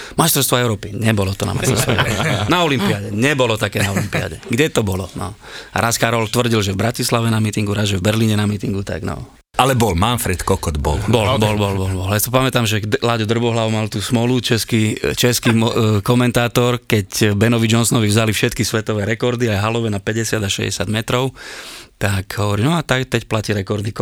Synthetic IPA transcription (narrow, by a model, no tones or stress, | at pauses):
majst̪ɾɔɾst̪ʋɔɛʊɾɔːpiɲɛbɔlɔt̪ɔna̰ma̰sɔɾst̪naɔlimpiaɟɛɲɛbɔlɔt̪akɛːnaɔimpia̰ɟɛɡɟɛt̪ɔbɔlɔnɔ̰ | ɾaskaɾɔlt̪ʋr̩ɟilʒɛvbɾacislaʋɛnamit̪iŋɡuɾazʒɛvbɛɾliːɲɛnamiːt̪iŋɡut̪a̰ɡnɔ̰ | alɛbɔlmanfɾɛt̪kɔkɔd̪bɔ̰lbɔlbɔlbɔlbɔlbɔljasipamɛt̪aːmʒɛlaɟɔd̪r̩bɔɦlaʋʊmalt̪uːsmɔlut͡ʃɛskit͡ʃɛskimkɔmɛnt̪aːt̪ɔɾkɛcbɛnɔʋid͡ʒɔnsɔnɔʋivzalifʃɛt̪kisʋɛt̪ɔʋɛːɾɛkɔɾd̪iajɦalɔʋɛnapɛɟɛsɪad̪aʃɛ̰ɟɛ̰sɪad̪mɛt̪ɾɔʊt̪akɦɔʋɔɾinɔat̪akt̪ɛcplaciɾɛkɔɾd̪ik